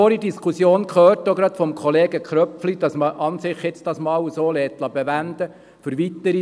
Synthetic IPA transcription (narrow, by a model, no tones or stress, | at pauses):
oːɾidiskʰusjoːnkχøːɾtoɡɾɑt̪fɔmkʰχɔleːɡəkχɾœpflid̥ɑsməʔɑnsɪχjɪt͡sd̥ɑsmɑːwsoːlɛːt̪lɑbɛʋænd̪ə | fʏɾʋit̪əɾi